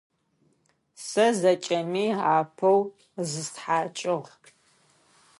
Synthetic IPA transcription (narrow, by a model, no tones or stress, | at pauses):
sɐzɐt͡ʃʼɐmiːaːpʰɐw | zɨstħaːt͡ʃʼɪʁ